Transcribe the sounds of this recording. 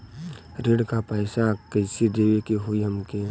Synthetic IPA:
ɾeɽkapaɪsakəɪsid̪eːʋekeɦuiɦəmke

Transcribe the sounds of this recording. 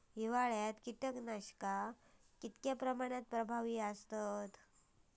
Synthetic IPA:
ɦiʋaɭjat̪kiʈəknaɕkakit̪kjapɾəmaɽ̃at̪̚pɾəbʱaʋiːəst̪ət̪

